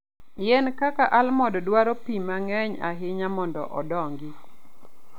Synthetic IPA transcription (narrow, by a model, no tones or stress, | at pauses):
jɛnkakaʔalmɔdɔdwaɾopimaŋɛɲaɦɪɲamɔndɔ̰ʔɔ̰dɔŋɡɪ